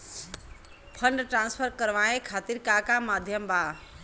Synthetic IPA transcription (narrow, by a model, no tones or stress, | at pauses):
pʰənɖʈɾãnspʰəɾkəɾʋaekʰat̪iɾkakamad̪ʱjəmba